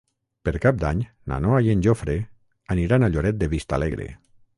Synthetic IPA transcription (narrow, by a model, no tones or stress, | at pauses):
peɾkap̚d̪aɲ | na̰noajenʲʒofɾe | aniɾanaʎoɾɛt̪̚d̪eβist̪a̰leɣɾḛ